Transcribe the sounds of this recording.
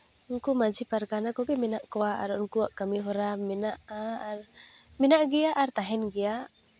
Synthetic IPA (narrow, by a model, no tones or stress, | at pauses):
unkumad͡ʒipaɾkanakɔɡɛmɛnaʔkɔwaʔa̰ɾɔɔŋkuaʔkamiɦɔɾamɛnaʔaɾmɛnaʔɡɛjaʔːɾt̪aɦɛnɡɛjaʔ